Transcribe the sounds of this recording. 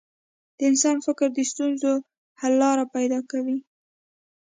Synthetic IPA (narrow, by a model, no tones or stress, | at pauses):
d̪̥əɪnsɑnfɪkɾd̪əst̪unzo | halːɑɾapajd̪ɑkawi